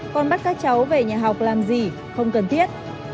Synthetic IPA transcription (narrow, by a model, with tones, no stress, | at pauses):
kɔ˨˩nɓa˦˥t̚kaː˦˥k̚t͡ɕa˨˦wve˨˩ɲaː˨˩ɦa˨˩wk͡p̚laː˨˩mzi˨˩ | xə˧wŋ͡mkə˨˩nt̪ʰi˦˥ət̚